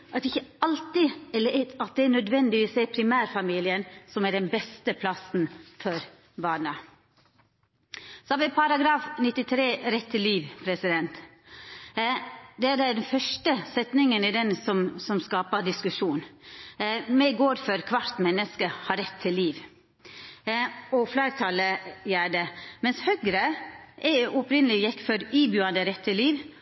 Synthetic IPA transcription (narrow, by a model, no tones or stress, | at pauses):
ʔɑt̪ɪçəɑlt̪ɪɛlːəɑt̪̚d̪ɛænœd̪ʋɛnd̪ɪʋiːsɛɾpʰɾɪmæːɾfɑmiːlɪənsɔmæɖɛnbɛst̪əpʰlɑsn̩fɔɾ | bɑːnə | sɔɑʋɪpʰɑɾɑɡɾɑːfnɪt̪ːɪt̪ʰɾeːɾɛt̪ʰːɪlːiːʋpʰɾɛsɪd̪ɛnt̪ | d̪ɛæɖɛɖɛnfœʂʈəsɛt̪nɪŋənɪd̪ɛnsɔmsɔmskɑːpəɖ̪ɪskʉʂuːn | mɛɡoːɾfœɾkʰʋɑʈt̪mɛnːəskəhɑɾɛt̪ʰːɪlːiːʋ | ɔfleːɾt̪ʰɑləjæːɖəmɛnshœɡɾəʔɛʊpɾɪnəlɪjɛkːfɔɾiːbjʉːɑnd̪əɾɛt̪ʰːɪliːʋ